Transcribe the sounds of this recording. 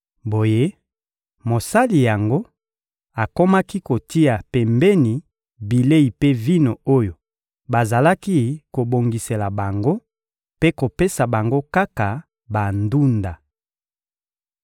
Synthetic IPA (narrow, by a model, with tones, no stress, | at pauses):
bo˨je˦ | mo˨sa˦li˨ja˨ŋɡo˦ | a˨ko˦ma˦ki˦ko˨ti˦a˨pɛ˨mbɛ˦ni˨ | bi˨le˦i˨pe˦vi˦no˨o˦jo˨ | ba˨za˨la˦ki˦ko˨bo˨ŋɡi˨se˨la˨ba˨ŋɡo˦ | pe˦ko˨pe˦sa˨ba˨ŋɡo˦ka˦ka˨ | ba˨ndu˦nda˨